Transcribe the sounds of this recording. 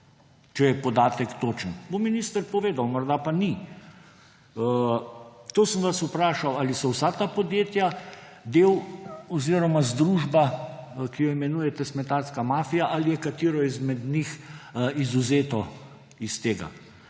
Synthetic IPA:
t͡ʃɛjɛpɔd̪aːt̪ɛkt̪oːt͡ʃənbominist̪əɾpɔʋeːd̪awmɔɾd̪apani | t̪oːsənʋasupɾaːʃawalisɔwsat̪apɔd̪jeːt̪ja | d̪eːwɔziɾɔmazd̪ɾuʒbakijɔimɛnujɛt̪ɛsmɛt̪aɾskamaːfijaʔalijɛkat̪iːɾɔizmɛd̪nixizuzeːt̪ɔ | ist̪eːɡa̰

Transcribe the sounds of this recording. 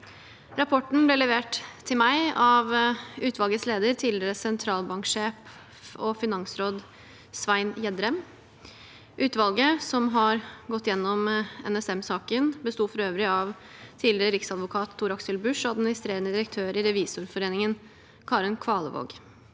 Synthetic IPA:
ɾɑpʰɔʈɳ̩blɛlɛʋeːʈt̪ʰɪlmæɪɑʋʉːt̪ʋɑlɡət̪sleːd̪əɾt̪ʰiːd̪lɪɾəsɛnt̪ʰɾɑːlbɑŋkʂeːf | ɔfɪnɑŋsɾoːd̪ | sʋæɪnjɛd̪ɾɛm | ʔʉːt̪ʋɑlɡəsɔmɦɑɾɡɔt̪ːjɛnːɔmɛ̰nɛsɛmsɑːkənbəst̪uːfɔɾøːʋɾɪɑʋ | t̪ʰiːd̪lɪɾəɾɪksɑd̪ʋʊkʰɑːt̪ʰːuːɾɑksəlbʉʂɔɑd̪mɪnɪst̪ɾeːɾənəd̪ɪɾək̚t̪ʰøːɾɪɾɛʋiːsʊɾfɔɾeːnɪŋən | kʰɑːɾənkʰʋɑːlə̰ʋo̰ːɡ

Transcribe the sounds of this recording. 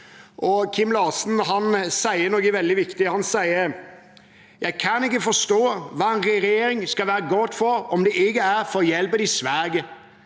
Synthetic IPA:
ʔɔkʰɪmːlɑːsn̩ɦɑnsæɪənɔɡəʋɛld̪ɪʋɪkt̪ɪhɑnsæɪəɾ | jæɪkʰɑnɪkːəfɔʂt̪oːʋɑːɛnɾɛɾɛjeːɾɪŋskɑʋæːɾəɡɔt̪ːfɔɾɔmd̪ɛʔɪɡəæɾfɔɾjɛlpəd̪ɪsʋæːɡə

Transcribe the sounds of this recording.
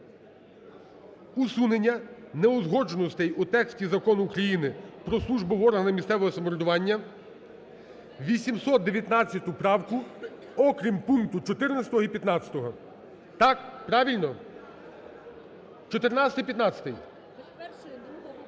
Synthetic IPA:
usunenʲːɐnɛɔzɦɔd͡ʒonɔst̪ɛjut̪ɛksʲtʲizɐkɔnʊːkɾɐjinɪpɾɔslˠuʒbɪʋɔɾɦɐnɪmʲist̪sɛʋɔɦɔsɐmɔɾɔd̪ʊʋɑnʲːɐ | ʋʲisʲimsɔt̪̚d̪eʋʲjɐt̪nɑt͡sʲjɐt̪ʊpɾɑwkʊ | ɔkɾʲimpunk̚t̪ʊt͡ʃɔt̪ɪrnɐt͡sʲsʲɐ̥t̪ɔɦɔipʲjɐt̪nɑt͡sʲɐ̥t̪ɔɦɔ | t̪ɑkpɾɑʋʲilʲnɔ | t͡ʃɔt̪ernɑɐt̪ɪjpʲjɐt̪nɑt͡sʲɐ̥t̪ɪj

